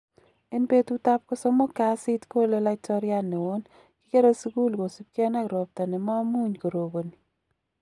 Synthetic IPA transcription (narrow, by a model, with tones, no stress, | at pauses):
e˦npe˦tu˦ta˦p̚kɔ˦sɔ˦mo˦ka˦si˦tko˦le˦la˦tɔ˦ɾɪa˦nɛ˨wo˦n | kɪ˦ke˦ɾo˦sku˦lɡo˨si˦pkɛ˦na˦ɡɾo˨p̚ta˨nɛ˨mɔ˦mu˦ɲko˨ɾo˨bo˨ni˨